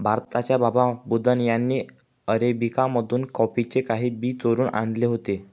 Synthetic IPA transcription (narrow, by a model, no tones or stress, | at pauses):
bʱaɾt̪at͡ɕjabababud̪ʱənjanːiː | əɾebikaməd̪ʱuːnkɔpit͡ɕekaɦiːbiːt͡soɾuːna̰ɳd̪leɦot̪e